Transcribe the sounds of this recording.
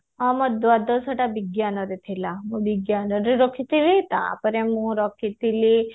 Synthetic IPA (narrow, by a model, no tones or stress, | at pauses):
amɔd̪ʋad̪ɔsəʈabiɡjanɔɾit̪ʰilamũbiɡjanɔɾiɾɔkʰit̪ilit̪ã̰pəɾemũɾɔkʰit̪ili